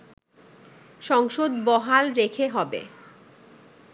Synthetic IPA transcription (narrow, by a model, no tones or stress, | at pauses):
ʃɔŋʃod̪bɔɦalɾekʰeɦɔbḛ